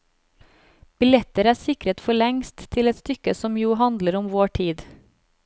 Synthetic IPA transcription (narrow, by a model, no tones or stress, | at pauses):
b̥ɪlɛt̪əɾæːsɪkɾət̪fɔɭɛŋst̪tʰɪlɛt̪st̪ʏkəsɔmjuːhɑnd̪ləɾɔmʋoːʈʰiːd̪